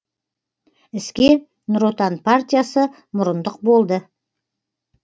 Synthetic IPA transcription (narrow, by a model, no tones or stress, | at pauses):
ɪskʲe | nʊɾot̪anpʰart̪ʲijasə | mʊɾənd̪əq̚bo̞lˠd̪ə